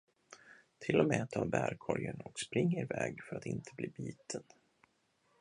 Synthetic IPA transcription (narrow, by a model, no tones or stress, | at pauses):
t̪ʰɪlːɔmɛːat̪ʰːɑːbæːɾkʰɔɾjəɳɔkspɾɪŋːɪɾvɛːɡfœɾat̪ɪnt̪ʰəbliːbiːt̪ʰəd̪